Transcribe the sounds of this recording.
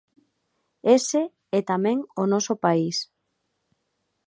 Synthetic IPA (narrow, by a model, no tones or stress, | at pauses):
ese | ɛt̪amɛ̃ŋonɔsopais